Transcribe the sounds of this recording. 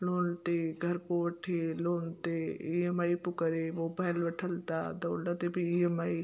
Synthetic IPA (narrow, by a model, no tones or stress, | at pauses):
loːnt̪eɡʱɐɾkoʋɐʈʰeloːnt̪eiəmaːipʊkəɾeʋobaːjlʋɐʈʰəlt̪a̰d̪ɔːlat̪ebʱiiəmaːi